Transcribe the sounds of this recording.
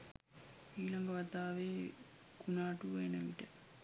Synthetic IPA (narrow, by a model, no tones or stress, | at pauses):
iːlaŋɡəʋɐt̪aːʋeː | kunaːʈuʋenəʋiʈə